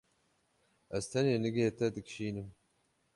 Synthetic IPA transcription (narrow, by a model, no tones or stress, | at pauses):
ɐst̪ʰɐneːnɨɡetʰɐdɨkʃiːnɨm